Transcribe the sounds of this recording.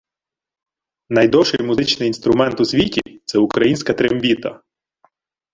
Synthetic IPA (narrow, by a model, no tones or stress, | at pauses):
nɐjd̪ɔʃɪjmʊzɪt͡ʃnɪjinst̪ɾʊmɛnt̪ʊsʲʋʲitʲit̪sɛʊkɾɐjinʲsʲkɐt̪ɾemʋʲit̪ɐ̰